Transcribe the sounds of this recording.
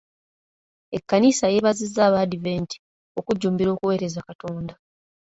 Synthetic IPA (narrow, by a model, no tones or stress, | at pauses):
e̞kːanisaje̞ːβazizːaːβadive̞ːnti̥ | o̞kuɟːuːmbiɾo̞ːkuwe̞ːɾe̞zakato̞ːnda